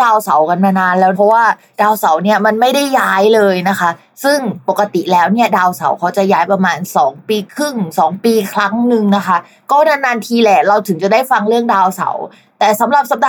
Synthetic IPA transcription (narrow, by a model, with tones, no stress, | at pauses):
aː˧wsa˩˦wka˧nmaː˧naː˧nlɛː˦˥wpʰɔ˦˥waː˥˩ | daː˧wsa˩˦wni˥˩ɐma˧nma˥˩jda˥˩jːaː˦˥jlɤː˧jna˦˥kʰa˦˥ | sɯ˥˩ŋpo˨˩kːa˧t̪i˨˩lɛː˦˥wni˥˩ɐdaː˧wsa̰˩˦wkʰa˦˥wt͡ɕa˨˩jaː˦˥jpɾa˧maː˧nsɔː˩˦ŋpiː˧kʰɯ˥˩ŋsɔː˩˦ŋpiː˧kʰɾa˦˥ŋnɯ˧ŋna˦˥kʰa˦˥ | kɔː˥˩naː˧naː˧nt̪ʰiː˧lɛː˨˩ɾa˧wt̪ʰɯ˨˩˦ŋt͡ɕa˨˩daː˥˩jfa˧ŋɾɯ˥˩əŋdaː˧wsa̰˩˦w | t̪ɛː˨˩sa˩˦mɾa˨˩p̚sa˨˩p̚daː˧